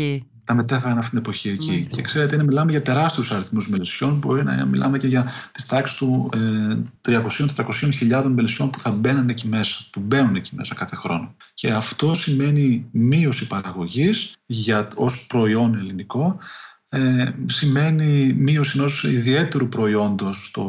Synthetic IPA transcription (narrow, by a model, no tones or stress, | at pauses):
t̪ɐme̞t̪efeɾɐnɐft̪it̪inepo̞çiecice̞kse̞ɾe̞t̪enɐmilɐme̞ʝɐt̪e̞ɾɐst̪e̞ɾusɐɾiθmuzmelisio̞nbo̞̰ɾinɐ̰mḭlʔɐ̰me̞ceʝɐt̪i̥st̪ɐksi̥st̪uet̪ɾiɐko̞siot̪et̪ɾɐko̞sio̞nçiʎɐðo̞nmeliso̞npu̥θɐbe̞nɐnecime̞sɐ̥pube̞nune̞cime̞̰sɐkɐθe̞xɾo̞no̞ | ce̞ɐft̪o̞sime̞nimio̞sipɐɾɐɣo̞ʝisʝɐo̞spɾo̞io̞ne̞liniko̞ | esime̞nimio̞sino̞siðie̞t̪e̞ɾupɾo̞io̞nd̪o̞st̪o̰